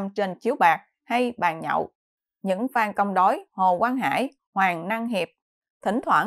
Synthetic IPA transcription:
mt͡ɕe˧nt͡ɕi˨˦əwɓaː˨˩k̚ | ha˧jɓa̰ː˨˩nɲə̰˧˨w | ɲɨ̰˧˥ŋvaː˧ŋkə˧wŋ͡mɗo˨˦jho˨˩kwaː˧nɦa̰ː˧˥˨j | hwaː˨˩ŋna˧ŋɦi˨˩p̚ | t̪ʰï˨˧˩ŋ̟t̪ʰwa˧˩

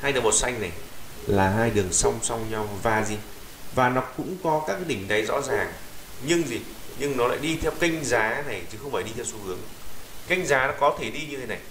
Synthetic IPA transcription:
haː˧jɗɨ˨˩mo˨˩t̚sa˧jŋ̟na˨˩j | laː˨˩ɦaː˧jɗɨ˨˩əŋsɔ˧wŋ͡msa˧wŋ͡mɲa˧wvaː˧˩zi˧ | vaː˨˩nɔ˨˦kʊ̰˧˥ŋ͡mkɔ˨˦kaː˦˥k̚ːɗï˧˩ŋ̟ɗa˨˦jzɔ̰˧˥zaː˨˩ŋɲɨ˧ŋzi˨˩ | ɲɨ˧ŋnɔ˨˦la̰ː˧˨jɗi˧t̪ʰɛ˧wka˧jŋ̟zaː˨˦na˨˩jt͡ɕɨ˨˦xə˧wŋ͡mfaː˧˩jɗi˧t̪ʰɛ˧wsu˧hɨ˨˦əŋka˧jŋ̟zaː˨˦nɔ˨˦kɔ˨˦t̪ʰe˧˩ɗi˧ɲɨ˧t̪ʰe˨˦na˨˩j

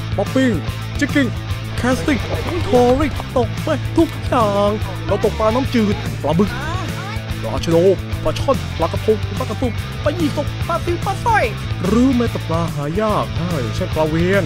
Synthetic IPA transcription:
paː˧˥pi˧˩ŋ | t͡ɕi˧˥˩ki˧˩ | kʰɛː˦˥st̪i˧˩ŋmu˧˥˩t̪ʰɔː˧ɾi˧˩ | t̪o˨˩k̚maː˧˩t̪ʰu˦˥˩k̪̚ʰu˦˥k̚jaː˨˧˩ŋ | ɾa˧˩wt̪o˨k̚paː˧naː˦˥mt͡ɕɯː˧˩t̪̚plaː˧bɯ˧˩kː | la̰ː˧˩t͡ɕʰa˧doː˧˩p̚pɾa˧t͡ɕʰɔ˥˩npla˧˥ka˧pʰo˧˩p̚ʰːpa˧˥ka˧t̪u˧˩p̚ | pa˧ji˧˩k̪o˧˥k̚paː˧˩t̪iː˧˥paː˧˥sɔ˧˩j | ɾɯː˨˦mɛ˧˥t̪a˨˩plaː˧ɦaː˩˦jaː˥˩k̚daː˥˩jt͡ɕʰa˥˩nplaː˧wi˧˥ən

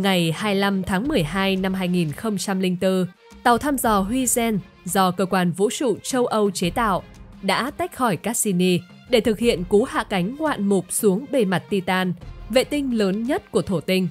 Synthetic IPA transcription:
ŋa˨˩jhaː˧jla˧mt̪ʰaː˨˦ŋmɨ˨˩əjɦaː˧jna˧mɦaː˧jŋi˨˩nxə˧wŋ͡mt͡ɕa˧mlï˧ŋt̪ɨ˧ | t̪a˨˩wt̪ʰaː˧mzɔ˨˩ɦwi˧zɛ˧n | zɔ˧kəː˧kwaː˧nvṵ˧˥t͡ɕṵ˧˨t͡ɕə˧wʔə˧wt͡ɕe˨˦t̪a̰ː˧˨wʔɗa̰ː˧˥t̪a˦˥jk̟̚xɔ˧˩jkaː˦˥si˧ni˧ | ɗe˧˩t̪ʰɨ˨˩k̚hḭ˧˨ənku˨˦ha̰ː˧˨ka˨˦jŋ̟ŋwa̰ː˧˨nmʊ˨˩k͡p̚su˨˦əŋɓe˧˩ma˨˩t̚t̪i˧t̪aː˧nvḛ˧˨t̪ï˧ŋ̟ləː˨˦nɲə˦˥t̚ku˧˩ət̪ʰo˧˩t̪ï˧ŋ̟

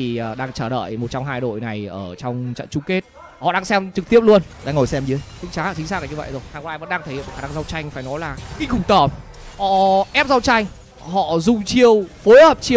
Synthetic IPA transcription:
iː˨˩˨ɗaː˧ŋt͡ɕəː˧˩ɗə̰ː˧˨jmo˨˩t̚t͡ɕɔ˧ŋ͡mɦaː˧jɗo̰˧˨jna˨˩jʔəː˧˩t͡ɕɔ˧wŋ͡mt͡ɕə̰˧˨nt͡ɕʊ˧ŋ͡mke˦˥t̚ | hɔ̰˧˨ɗaː˧ŋsɛ˧mt͡ɕɨ˨˩k̚t̪i˦˥əp̚lu˧ən˨ɗa̰ː˧ŋo˨˩jsɛ˧mzɨ˨˦jkɨ̰˧˦t͡ɕaː˨˦˧t͡ɕï˨˦ŋsaː˦˥ka˨˩ɲɨ˧və̰˧˨jzo˨˩jhaː˨˧˩kɔ˧˦ʔaː˧jvə̰˧˥nɗaː˧ŋt̪ʰːj̰xaː˧˩na˧ŋ˧za˧wt͡ɕa˧jŋ̟faː˧˩jnɔ˨˦jlaː˨˩kï˧ŋ̟xʊ˨˧˩ŋ͡mt̪əː˧˩m | ʔɔ˧˩ʔɛ˦˥p̚za˧wt͡ɕa˧jŋ̟ | hɔ̰˧˨zʊ˨˧˩ŋ͡mt͡ɕi˧əwfo˨˦jhəː˨˩p̚t͡ɕi˧w

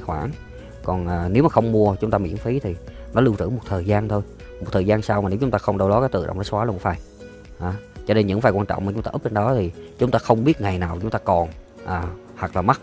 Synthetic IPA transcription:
xwaː˧˩n | kɔ˨˩nʔəː˨˩ne˨˦wmaː˨˩xə˧wŋ͡mmu˧ət͡ɕʊ˨˦ŋ͡mt̪aː˧mḭ˧˥ənfi˨˦t̪ʰi˨˩nɔ˨˦lɨ˧wt̪ɨ̰˧˥˦mo˨˩t̚t̪ʰəː˨˩jzaː˧nt̪ʰo˧j | m˨˩t̪̚ʰəː˨˩jzaː˧nsaː˧wma˨˩e˨˦wt͡ɕʊ˦ŋ͡mt̪aː˧xə˧wŋ͡mɗə˧wlɔ˨˦kaː˨˦jt̪ɨ̰˧˨ɗ̰ə̰˧˨ŋ͡m̪nʰə˨˦swaː˨˦lu˧kfaː˨˩j | ʔaː˨˦t͡ɕɔ˧ne˧nɲɨ̰˧˥ŋfaː˨˩kwaː˧nt͡ɕɔ̰˧˨ŋ͡mmaː˨˩t͡ɕʊ˨˦ŋ͡mt̪aː˧ʔə˦˥t͡ɕe˧nɗɔ˨˦t̪ʰi˨˩t͡ɕʊ˨˦ŋ͡mt̪aː˧xə˧wŋ͡mɓi˦˥ət̚ŋa˨˩jnaː˨˩wt͡ɕʊ˨˦ŋ͡mt̪aː˧kɔ˨˩n | ʔaː˨˩ | hwa˨˩k̚laː˨˩ma˦˥

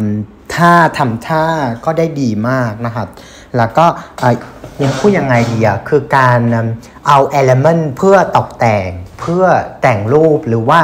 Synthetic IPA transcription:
m | t̪ʰaː˥˩t̪ʰa˧mt̪ʰaː˥˩kɔː˥˩daː˥˩jdiː˧maː˥˩k̚na˦˥kʰa˦˥t̚ | lɛː˦˥wkɔː˥˩ʔaː˨˩mi˧npʰuː˥˩t̪̚ja˧ŋːa˧jdiː˧a˨˩kʰɯː˧kaː˧n˧m | ʔa˧wʔɛː˧le˧ma˧˥˩npʰɯ˥˩ɐt̪ɔ˨˩k̚t̪ɛː˨˩ŋpʰɯ˥˩ɐt̪ɛ˨˩ŋluː˥˩p̚ɾɯː˩˦waː˥˩

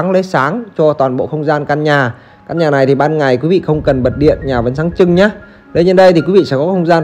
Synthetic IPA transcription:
ŋlə˨˦saː˨˦ŋt͡ɕɔ˧t̪waː˨˩nɓo̰˧˨xə˧wŋ͡mzaː˧nkaː˧nɲaː˨˩ | kaː˧nɲaː˨˩na˨˩jt̪ʰi˨˩ɓaː˧nŋa˨˩jkwi˨˦vḭ˧˨xə˧wŋ͡mkə˨˩nɓə˨˩t̚ɗḭ˧˨ənɲaː˨˩və˨˦nsaː˨˦ŋt͡ɕɨ˧ŋɲaː˨˦ | ɗə˧ɲə˧nɗə˧jt̪ʰi˨ki˨˦ḭ˧˨sɛ̰˧˥kɔ˨˦xə˧wŋ͡mzaː˧n

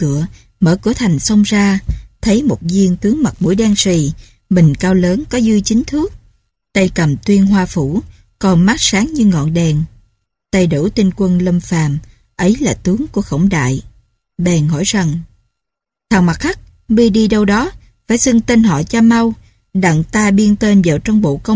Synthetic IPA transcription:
kɨ̰˧˩˨ə | mə̰ː˧˩kɨ˧˩ət̪ʰa˨˩jŋ̟sə˧wŋ͡mzaː˧t̪ʰə˨˦jmo˨˩t̚zi˧əŋt̪ɨ˨˦əŋma˨˩t̚mṵ˧˩əjɗaː˧ŋsi˨˩ | ɓï˨˩ŋ̟kaː˧wləː˨˦nkɔ˨˦zɨ˧jt͡ɕï˨˦ŋt̪ʰɨ˦˥ək̚ | t̪ə˧jkə˨˩mt̪wi˧ənɦwaː˧fu˧˩ | kɔ˨˩nmaː˦˥t̚saː˨˦ŋɲɨ˧ŋɔ̰˧˨nɗɛ˨˩n | t̪ə˧jɗṵ˧˩t̪i˧ŋkwə˧nlə˧mfaː˨˩m | ʔə˨˦jlaː˨˩t̪ɨ˨˦əŋku˧˩əxə˧˩wŋ͡mɗa̰ː˧˨j | ɓɛ˨˩nhɔ̰˧˩jza˨˩ŋ | t̪ʰaː˨˩wma˨˩t̚xa˦˥k̚ | ɓi˧əɗi˧ɗə˧wɗɔ˨˦ | faː˧˩jsɨ˧ŋt̪e˧nɦɔ̰˧˨t͡ɕa˧ma˧w | ɗa̰˧˨ŋt̪aː˧ɓi˧ənt̪e˧nva˨˩wt͡ɕɔ˧wŋ͡mɓo̰˧˨kə˧wŋ͡m

